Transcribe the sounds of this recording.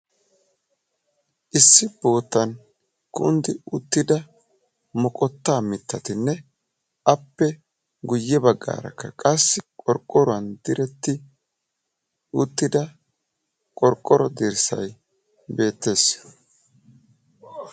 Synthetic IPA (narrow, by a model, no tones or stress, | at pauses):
ʔɪsːɪb̥o̞ːt̪ːɐn | kʊ̰nd̪ɪʊt̪ːɪd̪ɐ | mɔkʼɔt̪ːaːmɪt̪ːɐt̪ɪnːɛ | ɐpːɛ | ɡʊjːɛbɐɡːa̰ːɾɐ̰kːɐkʼɐsːɪkʼɔɾkʼːɔɾʊwɐnd̪ɪɾɛt̪ːɪ | ʊt̪ːɪd̪ɐ | kʼɔɾkʼːɔɾɔd̪ɪɾsɐ̰j | be̞ːt̪ːe̞ːs